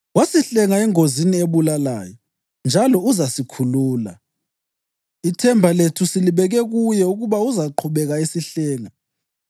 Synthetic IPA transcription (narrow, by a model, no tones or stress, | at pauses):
wasiɬɛŋaɛŋozinieβulala̰ːjɔ | nd͡ʒʱalɔuzasikʰuluːla̰ | itʰɛmbʱaletʰusiliβɛɣɛɣujɛuɣuβauzaǃʰuβɛɣaisiɬɛːŋa